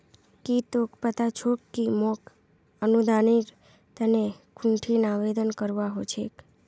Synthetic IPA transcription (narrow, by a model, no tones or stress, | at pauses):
kit̪okpət̪at͡ʃʰokːimok | ənud̪ʱaniɾ | t̪əne | kʰũɳʈʰinaʋed̪ənkəɾʋaɦot͡ʃʰek